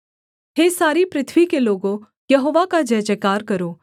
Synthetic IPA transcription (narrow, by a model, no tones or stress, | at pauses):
ɦesaːɾipɾɪt̪ʰʋikeloːɡõ | jɐɦoːʋakad͡ʒɛːd͡ʒeːkaːɾkəɾoː